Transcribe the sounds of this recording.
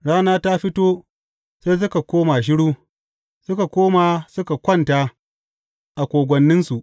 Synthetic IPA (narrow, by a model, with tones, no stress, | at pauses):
ɽaː˦naː˦ta˦ɸɪ˦toː˦ | se˦s̬ʊ˦ka˨kʷoː˦ma˨ʃ̬ɪ˦ɽuː˦ | sʊ˦ka˨kʷoː˦ma˨sʊ˦ka˨kʷɐ˦˨nta˦ | ʔa˨kʷoː˨ɡʷɐ˨nːɪ˦nsu˨ʔ